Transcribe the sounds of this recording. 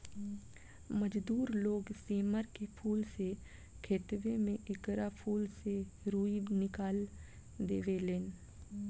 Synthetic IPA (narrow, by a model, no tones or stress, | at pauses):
məd͡ʒd̪uːɾloːɡseːməɾkepʰuːlse | kʰeːt̪ʋemẽʔɪkɾapʰuːlseɾuːinɪkaːl | d̪eːʋeleːn